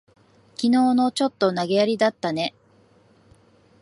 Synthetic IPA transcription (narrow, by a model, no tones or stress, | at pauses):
kʲino̞ːno̞t͡ɕo̞t̪ːo̞naɡe̞aɾʲid̪at̪ːane̞